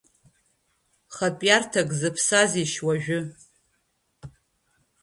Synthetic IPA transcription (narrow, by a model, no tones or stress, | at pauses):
χapʼjartʰakʼzɨpʰsaziʃwaʒᶣʊ